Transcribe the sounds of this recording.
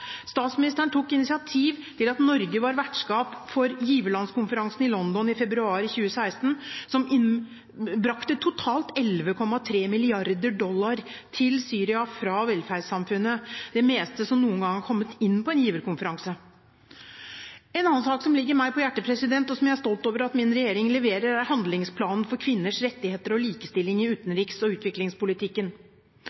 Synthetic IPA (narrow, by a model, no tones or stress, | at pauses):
st̪ɑːt̪smɪnɪst̪əɳʈ̪ʰukːɪnɪsɪɑt̪ʰiːʋt̪ʰɪlɑt̪nɔɾɡəʋɑɾʋæʈʂkɑːpfɔɾjiːʋəɾɭɑnskʊnfəɾɑŋsn̩ɪlɔnd̪ɔnɪfɛbɾʉɑːɾɪçʉːəsæɪst̪n̩sɔmɪn | bɾɑkt̪ət̪ʰʊt̪ʰɑːlt̪ɛlʋəkʰɔmːɑt̪ʰɾeːmɪlɪɑɾd̪əɖɔlːɑɾ | t̪ʰɪlsyːɾɪɑfɾɑʋɛlfæɾɖsɑmfʉnːəd̪ɛmeːst̪əsɔmnuːənɡɑŋːɑkʰɔmːət̪ɪnːpʰɔɛnjiːʋəɾkʊnfəɾɑŋsə | ɛnɑnːɑnsɑːksɔmlɪɡːəɾmæɪpʰɔjæʈːəpʰɾɛsɪd̪ɛnt̪ɔsɔmjæɪæʂt̪ɔlt̪oːʋəɾɑt̪mɪnɾɛjeːɾɪŋlɛʋeːɾəɾæɾhɑnd̪lɪŋspʰlɑːnən̩fɔɾkʰʋɪnːəʂɾɛt̪ːɪheːt̪əɾɔliːkəst̪ɪlːɪŋɪʉːt̪ənɾiːksɔʉːt̪ʋɪklɪŋspʊlɪt̪ʰɪkːən